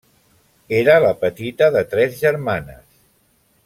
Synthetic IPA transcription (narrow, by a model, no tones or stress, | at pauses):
eɾələpət̪it̪əðət̪ɾɛzʒəɾmanə̰s